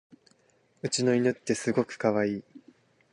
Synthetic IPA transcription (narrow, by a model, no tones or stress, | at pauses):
ɯ̟t͡ɕino̞inot̪ːe̞sɨɡo̞kɯ̟̥kaβaiː